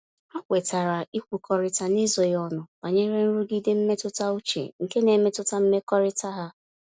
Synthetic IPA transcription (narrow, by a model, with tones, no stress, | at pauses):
a˦kʷe˨ta˨ɾa˨i˦kʷu˨kʰɔ˦ɾɪ˦ta˨nɪ˦zɔ˨jɔ˦nʊ˨ba˨ɲe˦ɾe˦n̩˦ɾu˦ɡi˦de˦m̩˦me˦tʊ˦ta˦u˦t͡ʃḛ˨ŋ̩˨ke˦ne˨me˦tʊ˦ta˦m̩˦me˦kɔ˦ɾɪ˦ta˦ɦa˦